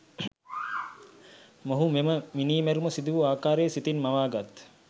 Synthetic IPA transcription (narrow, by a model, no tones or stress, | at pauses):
moɦumeməminiːmeɾumɐsid̪uʋuaːkaːɾeːsit̪inmaʋaːɡat̪